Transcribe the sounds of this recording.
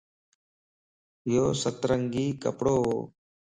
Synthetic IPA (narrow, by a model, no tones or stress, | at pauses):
joːsət̪ɾəŋɡiːkə̰pɽoːoː